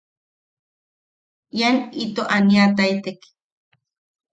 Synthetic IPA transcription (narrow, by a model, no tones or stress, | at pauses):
janit̪oʔaniat̪ait̪ek